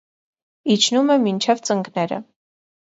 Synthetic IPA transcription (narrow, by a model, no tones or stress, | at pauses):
it͡ʃʰnumɛmint͡ʃʰɛvt͡səŋɡnɛɾə̰